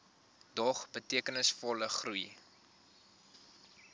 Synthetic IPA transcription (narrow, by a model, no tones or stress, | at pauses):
dɔχbətiəkənəsfɔləχruj